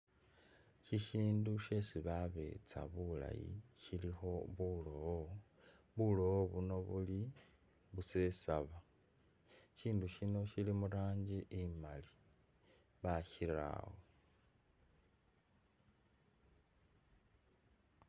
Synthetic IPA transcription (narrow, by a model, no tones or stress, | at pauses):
ciʃiːnduʃe̞siβaβe̞̰t͡sa̰βula̰jḭʃilixo̞βulowo | βulo̞woβuno̞βuli | βuse̞saβa | ʃiːnduʃino̞ʃilimuɾaːɲɟiʔimali̥ | βaʃiɾa̰wo